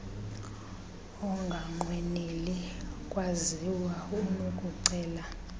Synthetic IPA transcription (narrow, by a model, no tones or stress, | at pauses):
ɔŋɡʱaŋ͡ǃwɛnilikʼwaziwaumukʼuǀɛːla